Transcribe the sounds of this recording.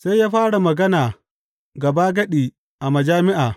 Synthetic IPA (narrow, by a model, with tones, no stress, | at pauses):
sa˦jaː˦ɸaː˦ɽa˨mɐ˨ɡɐ˦naː˨ | ɡɐ˨baː˦ɡɐ˦ɗiː˨ | ʔa˨mɐ˨d͡ʒaː˦mɪ˦ʔaː˨